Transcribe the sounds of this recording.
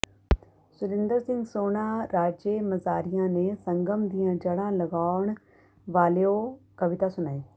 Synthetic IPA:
sʊlɪ̃nd̪əɾsɪ̃ŋɡsoːnaːɾaːd͡ʒeːmɐzaːɾijãːnẽːsə̃ŋɡəmd̪iːãːd͡ʒəɽãːlɐɡaːʊɳ̃ | ʋaːlejokɐʋɪt̪asʊnaːiː

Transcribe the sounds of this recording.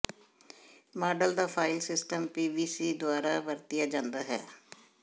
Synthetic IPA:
maːɖəld̪aːpʰaːɪlsɪsʈəmpiːʋiːsiːd̪ʊaːɾaːbəɾt̪ɪjaːd͡ʒãːnd̪aːɦɛ̰ː

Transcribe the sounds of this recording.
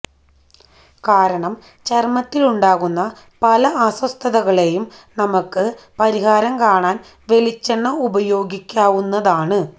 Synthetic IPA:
kaːɾɐɳɐm | t͡ɕermɐt̪ːiluɳɖaːɣunːɐ | pɐlɐɐswɐst̪ʰɐðɐɣɐɭe̞jumnɐmɐkːɨpɐɾiɦaːɾɐmkaːɳaːn | ʋe̞lit͡ɕːɐɳːɐubɐjo̞ːɡikʲːaːʋunːɐðaːɳɨ

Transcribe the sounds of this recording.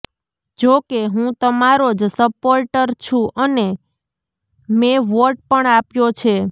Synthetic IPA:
d͡ʒokeɦũt̪əmaɾod͡ʒsəpoɾʈəɾt͡ʃʰũʔəne | meʋoɾʈ̚pəɳapjot͡ʃʰe

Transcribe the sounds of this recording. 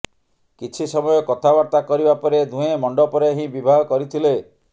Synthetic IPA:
kit͡ʃʰisɔmɔjɔkɔt̪ʰabaɾt̪akɔɾibapɔɾed̪ʱũemɔɳɖɔpɔɾeɦĩbibʱaɦɔkɔɾit̪ʰile

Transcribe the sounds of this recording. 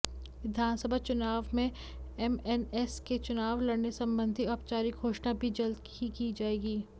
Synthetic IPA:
ʋɪd̪ʱaːnsəbʱat͡ʃʊnaːʋmẽ | ɛmɛnɛsket͡ʃʊnaːʋlɐɽnesɐ̃mbə̃nd̪ʱiɔːp̚t͡ʃaːɾiɡʱoːʃnabʱid͡ʒɐld̪kikid͡ʒaːeːɡiː

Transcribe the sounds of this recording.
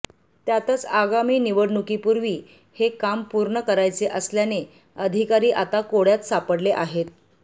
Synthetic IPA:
t̪jat̪ət͡saɡamiːniʋəɽɳukipuɾʋiː | hekampuɾɳəkəɾajt͡seʔəsljane | əd̪ʱikaɾiːʔat̪akoɽjat̪sapəɽleʔaɦet̪̚

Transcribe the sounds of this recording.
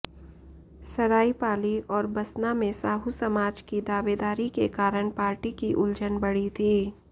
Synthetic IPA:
sɐɾaːipaːliɔːɾbɐsnamẽsaːɦusɐmaːd͡ʒkid̪aːʋeːd̪aːɾikekaːɾəɳ̃paːɾʈikiʔʊld͡ʒənbɐɽit̪ʰiː

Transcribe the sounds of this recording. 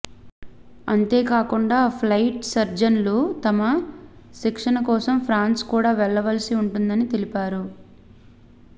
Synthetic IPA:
ɐnt̪eːkaːkuɳɖaːpʰlɐjʈsɐɾd͡ʒɐnlut̪ɐmɐsikʂɐnɐkɔːsɐmpʰɾaːnskuːɽaːʋɛɭːɐʋɐlɐsiuɳʈund̪ɐnit̪e̞lipaːɾu

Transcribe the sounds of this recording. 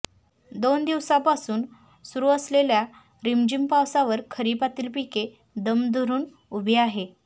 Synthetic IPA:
d̪ond̪iʋsapasuːn | suɾuəslelja | ɾimd͡ʑimpawsaʋəɾkʰəɾiːpat̪iːlpike | d̪əmd̪ʱoɾuːn | ubʱeaɦe

